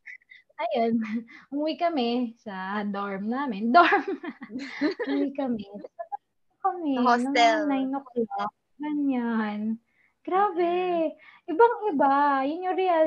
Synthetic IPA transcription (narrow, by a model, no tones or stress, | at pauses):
ʔɐjanhʊwikɐmɛsɐɐd̪oɹmnaːmɪnd̪oɹm | ʊwikɐmɛt̪ɐsɐtɐta | okɐmɛonɐŋɛnajnokla | ɡɐɲan | ɡ̥ɾaːbɛʔɪbaŋʔɪbajʊnɲoɾɛal